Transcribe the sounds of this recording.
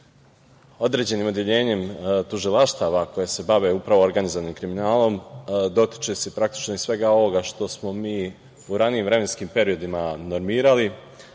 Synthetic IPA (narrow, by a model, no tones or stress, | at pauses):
o̞d̪ɾe̞d͡ʑe̞niːmo̞d̪jeʎe̞ːɲe̞mt̪uʒilˠaʃt̪aʋako̞jese̞baʋe̞upɾaʋo̞oɾɡanizoʋanimkɾiminaːlo̞md̪o̞t̪i̥t͡ʃesepɾak̚t̪i̥t͡ʃnoisʋe̞ɡao̞ʋo̞ɡaʃt̪o̞smo̞miː | uɾaniiːmʋɾe̞me̞nskiːmpe̞ɾio̞d̪imano̞ɾmiːɾali